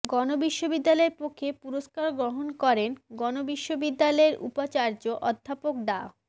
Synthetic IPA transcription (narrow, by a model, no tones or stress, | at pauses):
ɡɔnobiʃːobid̪ːalɔeɾpokʰːepuɾoskaɾɡɾoɦonkɔɾenɡɔnobiʃːobid̪ːalɔeɾṵpat͡ɕaɾd͡ʑoʔɔd̪ʱːapok̚ɖa